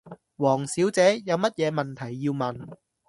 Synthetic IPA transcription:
wɔː˨˩ŋsiː˨˥wt͡sɛː˨˥jɐ˨˧wmɐ˥t̚jɛː˨˧mɐ˨nt̪ʰɐ˨˩jːiː˧wmɐ˨n

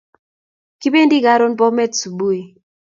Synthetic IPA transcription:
ki˦be˦ndi˦ɡa˦ɾo˦npɔ˦mɛ˦tsu˨bu˦e˨

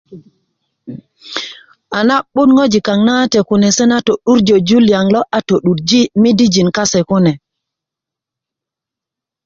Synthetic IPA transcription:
ʔa˨na˦ɓu˦nŋɡo˦d͡ʒi˨ka˨ŋnatɛ˨ku˨nɛ˨sɛ˦na˦to˨ɗu˦ɾd͡ʒɔ˨d͡ʒu˦lja˨ŋlɔ˦ʔa˨to˨ɗu˨ɾd͡ʒi˦mi˦di˦d͡ʒi˨nka˦sɛ˨ku˦nɛ˨

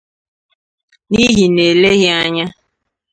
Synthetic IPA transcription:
ni˦ɦi˨ne˨le˦ɣɪ˦a˦ɲa˦

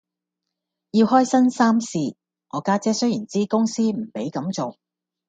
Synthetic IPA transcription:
jiː˧whɔː˥jsɐ˥nsaː˥msiː˧ | ŋɔː˨˧kaː˥t͡sɛː˥sɵ˥ɥjiː˨˩nt͡siː˥kʊ˥ŋsiː˥m̩˨˩pe˨˥jkɐ˨˥mt͡so˨w

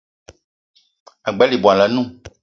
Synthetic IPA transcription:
a˨ɡ͡bɛ˨˦li˨bɔ˨a˨lɛ˨nũ˦˨

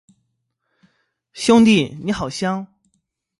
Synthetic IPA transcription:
ɕjʊ˥ŋt̪i˥˩ni˧˥xɑ˨˩ʊɕjɑ˥ŋ

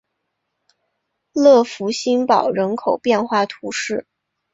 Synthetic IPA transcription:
lɤ˥˩fu˧˥ɕi˥npɑ˨˩ʊɻə˧˥nkʰo˨˩ʊpjɛ˥˧nxwa˥˩t̪ʰu˧˥ʂɻ̩˥˩

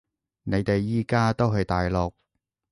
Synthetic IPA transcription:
ne˨˧jt̪e˨jːiː˨˩kaː˥t̪o˥wɦɵ˨jt̪aː˨jlɔː˨k̚

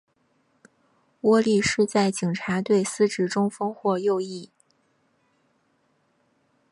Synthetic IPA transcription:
wɔ˥li˥˧ʂɻ̩˥˧t͡sa˥˩ɪt͡ɕi˨˩ŋʈ͡ʂʰa˧˥t̪we˥˩ɪsɹ̩˥ʈ͡ʂɻ̩˥˩ʈ͡ʂʊ˥ŋfɤ˥ŋxwɔ˥˧jo˥˧ʊi˥˩

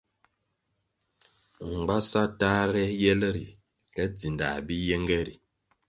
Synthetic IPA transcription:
ŋ͡m̩˨ɡ͡ba˦sa˦ta˦ɾɛ˦jɛ˦lə˦ɾi˨ | kɛ˦d͡zi˨nda̰˨bi˦jɛ˦ŋɡɛ˦ɾḭ˨

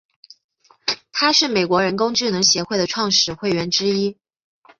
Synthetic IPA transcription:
t̪ʰa˥ʂɻ̩˥˩me˨˩ɪkwɔ˧˥ɻə˧˥nkʊ˥ŋʈ͡ʂɻ̩˥˩nɤ˧˥ŋɕjɛ˧˥xwe˥˩ɪd̪ə˩ʈ͡ʂʰwɑ˥˧ŋʂɻ̩˨˩xwe˥˩ɪɥɛ˧˥nʈ͡ʂɻ̩˥i˥

